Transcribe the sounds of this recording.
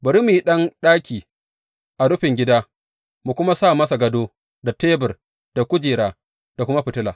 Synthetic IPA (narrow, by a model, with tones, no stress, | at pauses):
bɐ˨ɾi˦miː˨i˦ɗɐ˦nɗaː˦kʲiː˨ | ʔa˨ɽʊ˦ɸɪ˨ŋɡʲɪ˦daː˦ | mu˨kʷʊ˦ma˦saː˦˨mɐ˦sa˨ɡɐ˦doː˦ | da˨teː˦bɪ˨r | d̥a˨kʷʊ˦d͡ʒeː˨ɾaː˨ | d̥a˨kʷʊ˦ma˦ɸɪ˨tɪ˦laː˨